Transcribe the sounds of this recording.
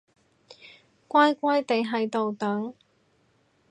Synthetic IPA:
kʷaː˥jkʷaː˥jt̪e˨˧jɦɐ˨˧jt̪o˨wt̪ɐ˨˥ŋ

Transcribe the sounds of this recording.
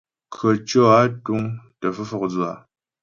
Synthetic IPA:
kʰə˨t͡ʃɔ˦˨a˦tu˦ŋtə˨fə˦fɔ˨k̚d͡zu˦˨a˨

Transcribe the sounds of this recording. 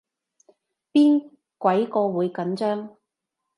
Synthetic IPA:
piː˥n | kʷɐ˨˥jkɔː˧wuː˨˧jkɐ˨˥nt͡ʃœː˥ŋ

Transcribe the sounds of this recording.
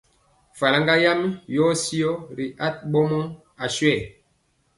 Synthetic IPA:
fa˨la˦ŋɡa˦ja˦mi˦jɔ˦si˦o˦ɾi˨ʔa˦t̚ɓɔ˦mɔ˦ | a˨sɥɛ˦˨

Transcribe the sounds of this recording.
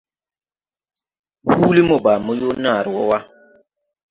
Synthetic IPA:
hu˦li˦mɔ˨baː˨mɔ˦jo˦naː˦˨ɾwɔ˦wa˦

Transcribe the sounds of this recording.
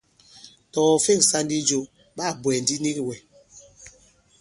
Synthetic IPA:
tɔː˨fe˦˨ŋ˨sa˦n˦di˦d͡ʒo˨ | ɓa˦˨bwɛ˨n˨di˦ni˦ki˨wɛ˨

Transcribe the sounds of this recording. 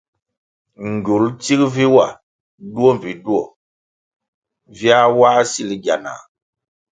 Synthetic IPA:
ŋ˨ɡu˨lti˦kvi˦wa˨ | du˦o˦mvi˨du˦ɔ˨ | vja˦wa˦si˦li˨˦ɡa̰˨na̰˨

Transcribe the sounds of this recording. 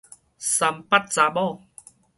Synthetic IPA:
sa˨mpa˦˥t̚t͡sa˨˧ɓɔ˥˨

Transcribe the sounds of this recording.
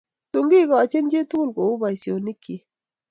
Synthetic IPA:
tu˨ŋɡi˦kɔ˨a˨t͡ʃe˦nd͡ʒe˦tu˦lko˨u˦ba˨i˨sjo˨ni˦ki˨

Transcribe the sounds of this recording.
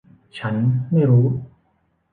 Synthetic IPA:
t͡ɕʰa˦˥nma˥˩jɾuː˦˥

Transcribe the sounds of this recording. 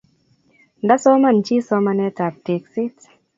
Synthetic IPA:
nda˦sɔ˦ma˨nt͡ʃi˦sɔ˦ma˧nɛ˦ta˨p̚te˨ksi˦t

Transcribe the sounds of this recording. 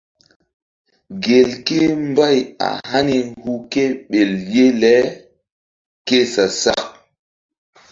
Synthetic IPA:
ɡe˨lke˦mba˦˨ja̰˨ha˦ni˨hu˦ke˦ɓe˨lje˦lɛ˦ | ke˦sa˨sa˦˨k̚

